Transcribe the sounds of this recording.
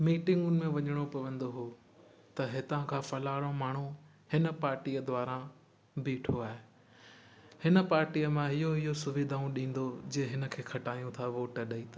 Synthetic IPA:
miːʈɪ̃ŋɡʊnɪ̆mẽʋɐɲəɽ̃opɐʋə̃nd̪oɦoː | t̪ɐɦɪt̪ãkʰãːfɐlaːɽ̃omaːɳ̤u | hɪnəpaːɾʈijəd̪ʊaːɾã | biʈʰoaːɦe | hɪnə̆paːɾʈijəmãɦɪɦoɪɦosʊʋɪd̪ʱaːũɗĩːn̆d̪od͡ʑẽːɦɪnə̆kʰeːxʰɐʈaːijũt̪ʰaʋoːʈəɗɐit̪ʰa

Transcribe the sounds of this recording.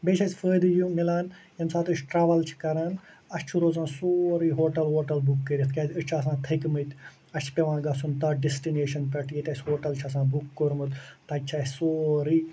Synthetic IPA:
beːt͡ʃʰɐsʲfəːd̪jumɪlaːn | jɐmsaːt̪ɨt͡ʃʰʈɾaːʋɐlt͡ʃʰi̥kɐɾaːn | ɐt͡ʃʰuɾoːzãːsoːɾiːɦoːʈɐlɦoːʈɐlbukːəɾit̪ʰkʲaːt̪ɨt͡ʃʰɐs̬ãːt̪ʰɐkmɨt̪ʲ | ɐt͡ʃʰpʲeʋãːnɡɐsʰunt̪ɐɖesʈineːʃɐnp̪ɐʈʰet̪ʲɐsʲɦoːʈɐlt͡ʃʰɐs̬ãːbukːoɾmɨt̪t̪ɐt͡ʃʰaːsoːɾiː

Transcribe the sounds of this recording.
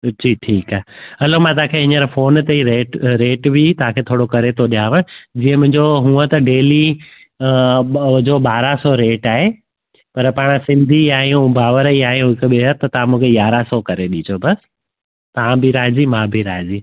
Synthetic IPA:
ʈiːʈʰiːkaːɦeɐlomãt̪̬ɐãkʰeːɦɪ̃ɲəɾfoːnt̪eiɾeːʈɾeːʈbit̪ɐʋ̤ãkʰeːt̪ʰoːɽokɐɾet̪ʰoɗijaːʋə̃d͡ʑiːə̃mʊ̃ɦɪ̃ɲd͡ʑoɦũːət̪ɐɖeːli | d͡ʑoɓaːɾasɔɾeːʈaːɦe | pɐɾpaːɽ̃əsɪ̃nd̪ʱiaːɦẽʊ̃bʱaːʋəɾəiaːɦeɦʊɪkɓeɦət̪ːɐt̪ɐʋãmũːkʰejaːɾasɔkɐɾeɗid͡ʑʰobɐs | t̪ɐɦãbʱiɾaːd͡ʑimãːbʱiɾaːɦẽd͡ʑiː

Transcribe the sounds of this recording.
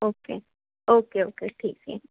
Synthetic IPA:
oːkḛː | oːkeoːkeʈʰiːk̚sɛ̰

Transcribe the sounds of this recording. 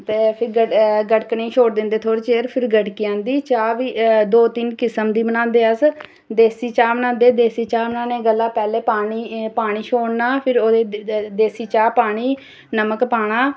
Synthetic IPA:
t̪eːpʰɪɾɡəɡəʈknĩːʃʰoːɽd̪ɪ̃nd̪eːt̪ʰoːɽiːt͡ʃeːɾpʰɪɾɡəʈkiãːnd̪iːt͡ʃaːʋiːd̪oːt̪ɪnkɪsəmd̪iːbənãːnd̪eːəs | d̪eːsiːt͡ʃaːmənãːnd̪eːd̪eːsiːt͡ʃaːmənãːneːɡəlːaːpɛːleːpaːɳ̃iːpaːɳ̃iːʃʰoːɽnaːpʰɪɾoːd̪eːd̪eːsiːt͡ʃaːpaːɳ̃iː | nəməkpaːɳaː

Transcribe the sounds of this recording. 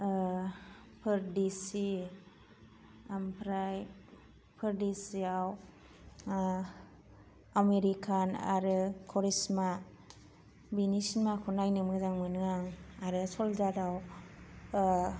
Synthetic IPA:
pʰɯɾdisi | ampʰɾaj | pʰɯɾdisiaw | ameɾikʰana̰ɾɯkʰɔɾisma | binismakʰunajnɯmɯzaŋmɯnɯŋaŋaɾɯsɔlzadaw

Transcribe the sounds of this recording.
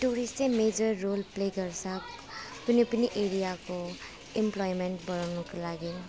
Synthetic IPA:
tuɾistsemed͡ʒɐɾːolplekɐɾsak | punipuniʔeɾijako | implɔjmentbɔɾawnɔkʰalaɡi

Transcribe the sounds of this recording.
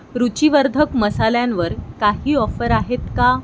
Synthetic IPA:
ɾut͡ɕiʋəɾd̪ʱəkməsaljãnʋəɾkaɦiːɔfəɾaɦet̪ka

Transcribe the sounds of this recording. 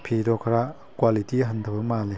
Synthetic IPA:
pʰidɔkʰɾa | kwalitiɦɐndʰəbɐmale

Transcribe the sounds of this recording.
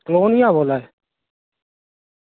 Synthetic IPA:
kloːnɪːãːboːlaːeː

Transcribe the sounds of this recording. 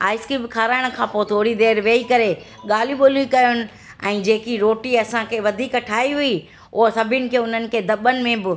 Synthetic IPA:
a̰ːɪskiːbkʰaːɾaːɪɽ̃kʰãːpoːt̪ʰoːɽid̪eːɾʋeːikɐɾe | ɠaːl̤iɓoːlikɐjʊnɪ̆ | ɛ̃ːd͡ʑeːkiɾoːʈiɐsãkʰeːʋɐd̪ʱiːkʈʰaːiɦʊi | ʊɦsɐbʱɪʊnɪ̆kʰeːʊn̤ənɪ̆kʰeːd̪ɐɓənɪ̆mẽbɪ

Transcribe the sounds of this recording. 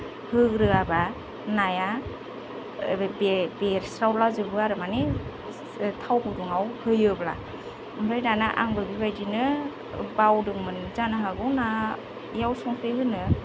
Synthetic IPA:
hɯɡɾɯaba | naja | bebeɾsɾawlazɯbɯaɾɯmani | tʰawbɯduŋawhɯjɯbla̰ | ɯmbʰɾajnanaʔa̰ŋbɯbibajdinɯ | bawdɯŋmɯnzanaɦaɡɯwna | jawsɔŋpʰɯjɦɯnɯ

